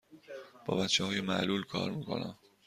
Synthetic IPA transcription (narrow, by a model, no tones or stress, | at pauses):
b̥ɒ̰ːbæt̪t͡ʃʰːɛhɒːjemæʔluːlkʰɒ̰ːɾmiːkʰo̞̰næ̰m